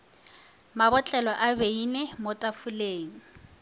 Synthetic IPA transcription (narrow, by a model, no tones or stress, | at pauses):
mabɔt͡ɬʼɛlɔʔabeinemotʼafuleːŋ̩